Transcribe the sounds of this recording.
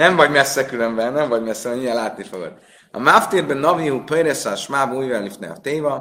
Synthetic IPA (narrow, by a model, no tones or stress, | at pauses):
nɛɱvɒɟmɛsːɛkylømbɛnɛmvɒɟmɛsːɛɛɲijɛlaːt̪nifoɡø̰d̪ | ɒ̰maft̪iɾbønɒviuːpøjɾesɒʃmaːbuːjvɛlifnɛ̰ɒ̰t̪eːvɒ